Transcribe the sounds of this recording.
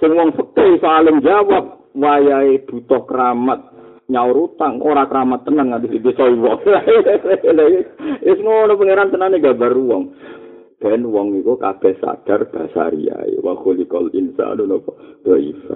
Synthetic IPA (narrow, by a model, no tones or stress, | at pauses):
sɪŋwɔŋsəkəsoalɪŋd͡ʒawap̚ | wajaeb̥ṳt̪ɔhkəɾamat̪̚ | ɲaoɾut̪aŋoɾakəɾamat̪ːənəŋːat̪isip̪isɔiwɔŋaellajeesəŋɔnɔpəŋeɾansənaneɡabaɾuwɔŋ | d̥anwɔŋikukab̥ɛsa̰ɡ̥arb̥asa̰ɾḭa̰ḛwa̰xulika̰lḭnsa̰nunɔpɔɡ̥aḭfa̰